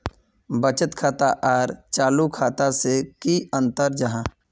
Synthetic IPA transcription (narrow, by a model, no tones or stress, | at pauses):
bət͡ʃət̪kʰaːt̪aʔaːɾt͡ʃaːlukʰaːt̪asekiə̃nt̪əɾd͡ʒɐɦãː